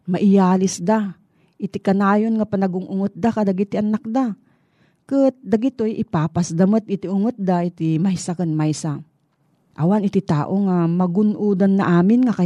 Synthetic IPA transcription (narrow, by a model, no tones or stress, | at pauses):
mɐʔɪjaːlɪsd̪a | ɪt̪ɪkɐnaːjonŋapɐnɐɡʊŋʔʊŋɨt̪̚d̪akɐd̪aɡɪt̪ɪʔɐnak̚d̪a | kɨt̪̚d̪aɡɪt̪ojʔɪpaːpasd̪ɐmət̪̚ʔɪt̪ɪʊŋɨt̪̚d̪aʔɪt̪imajsakɐnmajsa | ʔɐwanɪt̪ɪt̪aːʔoŋamɐɡʊnʔuːd̪anːaʔaːmɪnŋaka